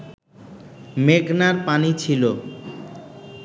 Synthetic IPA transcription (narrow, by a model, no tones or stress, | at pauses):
meɡnaɾpanit͡ɕʰilo